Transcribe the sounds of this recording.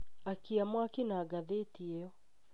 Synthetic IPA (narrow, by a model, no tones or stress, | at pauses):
akiamwakinaːɡaðetiɛɔ